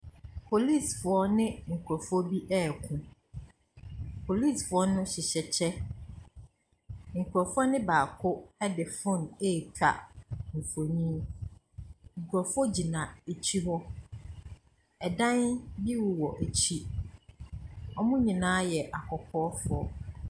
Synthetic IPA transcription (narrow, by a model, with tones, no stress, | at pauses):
pʰo˨li˦˨sfʊ˨ɔ˦nɪ̃˦ŋ̩˨kʰu˨ɾɔ˨fɔ˦bi˦ʔɛ˦˨kʰʊ̃˦ | pʰo˨li˦˨sfʊ˨ɔ˦nʊ̃˦ɕɪ˨ɕɛ˨t͡ɕʰɛ˦ | ŋ̩˨kʰu˨ɾɔ˨fʊ˦ɔ˦nɪ̃˦baː˨kʰʊ˦ɛ˦dɪ˨fʊ̃˦˨ne˦˨kʰa̰˨m̩˨fo˨ɲĩ˦ | ŋ̩˨kʰʷu˨ɾɔ˨fɔ˦d͡ʑi˨nã˨e˨t͡ɕʰi˦wɔ˦ | ɛ˨dã˦nbi˦wʊ˨wɔ˨ʔæ˨t͡ɕʰi˦ | ɔ˦mʊ̃˦ɲĩ˨nãː˦jɛ˨ʔa˨kʰɔ˨kʰɔː˦fʊ˨ɔ˦